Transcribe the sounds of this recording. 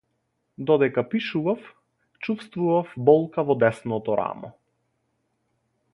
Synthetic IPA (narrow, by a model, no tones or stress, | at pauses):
d̪ɔd̪ɛkapiʃuvaf | t͡ʃufst̪vuvafbɔlˠkavɔd̪ɛsnɔt̪ɔɾa̰mɔ̰